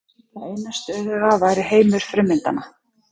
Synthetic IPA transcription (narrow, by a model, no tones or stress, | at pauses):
θaðeːjnast̪œðʏɣavajɾɪɦeːjmʏɾ̥fɾɪmːɪnt̪a̰na